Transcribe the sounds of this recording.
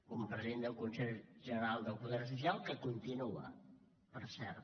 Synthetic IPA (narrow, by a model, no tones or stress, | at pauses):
kumpɾəziend̪əlˠkunsɛʎʒənəɾalˠd̪əlˠpuðɛrs̬usialˠkəkunt̪inuə̰ | pəɾsɛ̰ɾt̪